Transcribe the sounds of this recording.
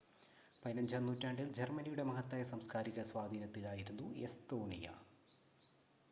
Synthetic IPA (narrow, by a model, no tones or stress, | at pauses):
pɐjnɐmd͡ʑɐmnːuːtːaːɳɖild͡ʑermɐnijuɽe̞mɐɦɐt̪ːɐjɐsɐmskaːɾiɣɐsʋaːd̪ʱiːnɐt̪ːilaːjiɾunːuḛst̪oːnijɐ̰